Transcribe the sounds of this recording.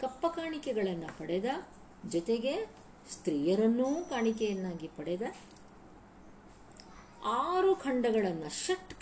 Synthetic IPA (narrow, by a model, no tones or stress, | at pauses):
kɐpːɐkaːɳikɛɡɐɭɐnːɐpɐɽɛd̪ɐ | d͡ʒɔt̪eɡe̞ | st̪ɾiːjɐɾɐnːuːkaːɳikɛjɐnːaːɡipɐɽɛd̪ɐ | aːɾukʰɐɳɖɐɡɐɭɐnːɐʃɐʈː